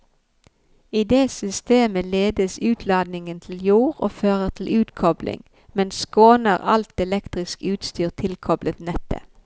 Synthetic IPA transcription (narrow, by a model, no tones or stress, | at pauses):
iːd̪eːsʏst̪eːməleːd̪əsʉːt̪ʰlɑːd̪nɪŋənt̪ʰl̩juːʁo̰ːføːʁəʁt̪ʰl̩ʔʉːt̪kʰɔblɪ̰ŋ | mɛnskoːnəʁɑ̰lt̪ɛlɛkt̪ʁɪskʉːt̪st̪yːʁt̪ʰɪlkʰɔblət̪nɛt̪ʰə̰